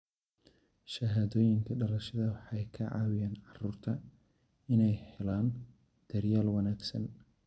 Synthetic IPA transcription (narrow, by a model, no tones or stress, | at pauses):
ʃɐɦaːðɔːjɪŋkʰɐɖɐlɐʃɐðɐwɑħɑjkʰɐʕɑ̰ːwɪjaːnʕɑruːrt̪ʰɐ | ɪnɛjhɛlaːn | d̪̥ɐrjaːlwɑnaːɡsɐ̰n